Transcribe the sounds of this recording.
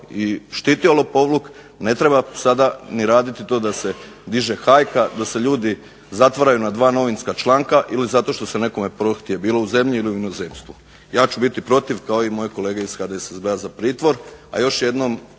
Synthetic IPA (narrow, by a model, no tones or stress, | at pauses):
iʃt̪iːt̪iolopo̞ʋluk | ne̞t̪ɾe̞basad̪aniɾaːd̪it̪it̪o̞ːd̪ase̞d̪iʒe̞xajkad̪ase̞ʎuːd̪i | zat̪ʋaɾajunad̪ʋaːno̞ʋinskat͡ʃlˠaːŋkaʔilizat̪o̞ʃt̪o̞se̞ne̞ko̞me̞pɾoxt̪iebiːlo̞uze̞mʎiiliuinozeːmst̪ʋu | jaːt͡ɕubit̪ipɾo̞t̪iʋkao̞imo̞jeko̞leːɡeisxad̪esezbeazapɾiːt̪ʋo̞ɾa̰jo̞ʃje̞d̪no̞m